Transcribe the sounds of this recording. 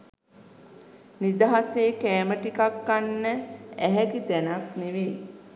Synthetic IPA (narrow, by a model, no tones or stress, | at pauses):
nid̪aɦaseːkæːməʈikakːanːəæɦɛkit̪ænakneʋe